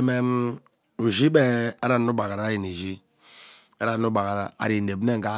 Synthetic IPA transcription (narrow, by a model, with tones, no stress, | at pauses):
me˦m˦ | u˨zi˦be˦a˦ɾa˨n˦u˦ba˨ka˨ɾa˦ji˨ni˨zi˦ | a˦ɾa˨n˦u˦ba˨ka˨ɾa˨a̰˨ɾi˨ne˨bne˦ŋ̩˨ka˦